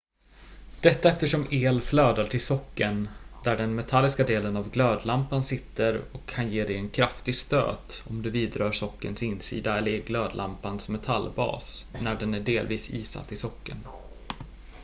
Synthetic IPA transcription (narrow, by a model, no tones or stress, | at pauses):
d̪̥ɛt̪ːaɛft̪əʂɔmeːlfløːd̪aʈʰɪlsɔkːənd̪æɖɛnmɛt̪ʰalːɪskad̪eːlənavɡløːd̪lampansɪt̪ːəɾɔkʰːanjeːd̪ɛjɛnkʰɾaft̪ɪɡst̪ø̰ːt̪ɔmd̪ɵviːd̪ɾœːʂɔkːə̰nsɪnːsḭːd̪aɛlːəɾɡløːd̪lʔa̰mpansmɛt̪ʰalːbɑ̰ːsnæɖɛnæɖeːlviːsḭːsa̰t̪ːɪsɔkːə̰n